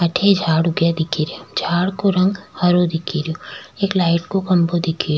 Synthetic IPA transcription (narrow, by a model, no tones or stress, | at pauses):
ɐʈʰed͡ʒʱaːɽʊɡjad̪ɪkʰiɾeod͡ʒʱaːɽkoɾɐ̃ŋɡhɐɾod̪ɪkʰiɾjoeːklaːɪʈkokɐ̃mbod̪ɪkʰi